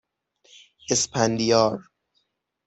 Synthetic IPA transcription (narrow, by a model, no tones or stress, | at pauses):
espʰænd̪ijɒːɾ